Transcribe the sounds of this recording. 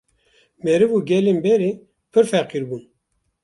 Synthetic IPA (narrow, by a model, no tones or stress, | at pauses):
mɛɾɨvuːɡʲɛlenbɛɾe | pʰɨɾfɛqiɾbuːn